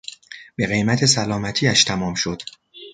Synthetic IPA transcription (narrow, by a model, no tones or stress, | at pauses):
b̥e̞ɣe̞jmæt̪ʰe̞sælɒːmæt̪ʰiːæʃt̪ʰæmɒːmʃo̞d̪̥